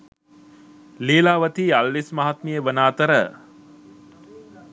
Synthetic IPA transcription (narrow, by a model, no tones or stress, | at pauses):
leːlaːʋət̪ialʋismaɦat̪mijəʋənaːt̪əɾə